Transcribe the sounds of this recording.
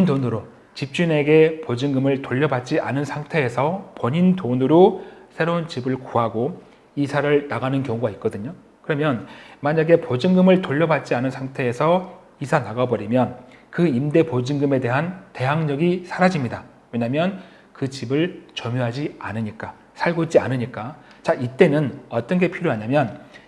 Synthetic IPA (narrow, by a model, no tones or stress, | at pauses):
pindonɯɾo | t͡ɕip̚t͡ɕ͈une̞ɡe̞pod͡ʑiŋɡɯmɯɭtoʎːʌbat̚t͡ɕ͈ia̰nɯnsʰaŋtʰe̞ːsʰʌpʌɲindonɯɾosʰe̞ɾount͡ɕibɯɭkuɦaɡo | isʰaɾɯɭnaɡanɯnkjʌŋoɡait̚k͈ʌdɯɲo | kɯɾʌmjʌnmaɲaɡe̞pod͡ʑiŋɡɯmɯɭtoʎːʌbat̚t͡ɕ͈ianɯnsʰaŋtʰe̞ːsʰʌ | isʰanaɡabʌɾimjʌnkɯimde̞pod͡ʑiŋɡɯme̞de̞ɦante̞ɦaŋɲʌɡisʰaɾad͡ʑimɲida | we̞ɲamjʌn | kɯt͡ɕibɯɭt͡ɕʌmjuɦad͡ʑia̰nɯɲik͈a | sʰaɭɡoit͡ɕia̰nɯɲik͈a | t͡ɕaʔit͈e̞nɯnʌt͈ʌnɡe̞pʰiɾjoaɲamjʌn